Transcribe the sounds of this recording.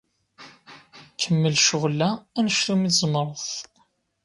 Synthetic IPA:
kʰəmːəlʃʊʁlːæænəʃθumizmɾˤəθ

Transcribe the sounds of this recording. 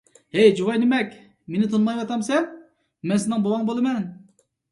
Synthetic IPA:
hɛjd͡ʒuwɑjnɪmɛkʲ | menɪt̪ʰonmɑjwɑt̪ʰɑmsɛn | mɛnsɪnɨŋbowɑŋbolˠɨmɛn

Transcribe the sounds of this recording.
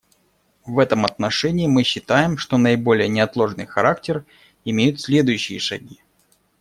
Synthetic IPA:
vɛt̪əmɐt̪nɐʂɛnʲɪːmɨɕːɪt̪ajɪmʂt̪o̞nəɪbo̞lʲɪjənʲɪɐt̪lˠo̞ʐnɨ̰jxɐɾaktʲɪr | ɪmʲejʊt̪sʲlʲe̞d̪ʊjʉɕːɪ̰jəʂɐɡʲi

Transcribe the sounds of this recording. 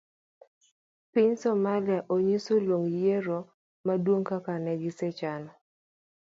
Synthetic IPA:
piɲsɔmaliaʔoɲisolwoŋjeɾo | madwoŋkakanɛɡɪsɛt͡ʃanɔ

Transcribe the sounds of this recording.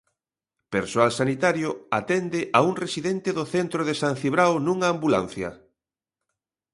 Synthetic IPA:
peɾsoalsanit̪aɾjoat̪end̪ɪʔauŋresiðɛnt̪ɪðʊθent̪ɾoðesanθiβɾawnũŋaːmbula̰n̟θjɐ̰

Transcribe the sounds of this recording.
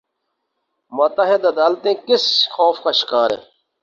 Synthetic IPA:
mʊt̪əɦɪd̪ɐd̪aːlt̪ẽːkɪsxoːfkaʃɪ̥kaːɾḛː

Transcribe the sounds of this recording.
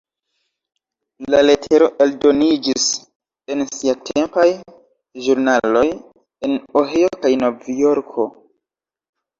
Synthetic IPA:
laletʰe̞ɾo̞ʔe̞ldo̞nid͡ʒis | e̞nsiatʰe̞mpaj | ʒuɾnalo̞j | e̞noɦejokajnovjoɾkʰo̞

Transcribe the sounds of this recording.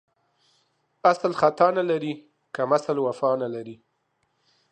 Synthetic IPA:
aslxat̪ɑnalaɾi | kamasalwafɑnalaɾi

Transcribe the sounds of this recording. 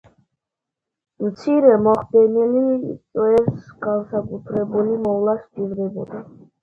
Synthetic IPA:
mt̪sʰiɾɛmɔχd̪ɛnilit̪sʼwɛɾsɡansakʼut̪ʰɾɛbulimɔvlˠasd͡ʒivɾɛbɔd̪a

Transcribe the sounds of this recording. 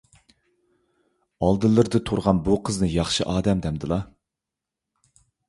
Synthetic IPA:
ɑlˠd̪ɨlˠːɨɾd̪ɨt̪ʰoɾʁɑnbuqʰəznɨjɑχʃɨʔɑːd̪ɛmd̪ɛmd̪ɨlˠɑ

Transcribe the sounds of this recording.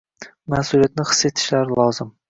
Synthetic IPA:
mahsulijat̪̚nɪχɨ̥sːet̪ʰɪ̥ʃlaɾɪlˠɒzɪm

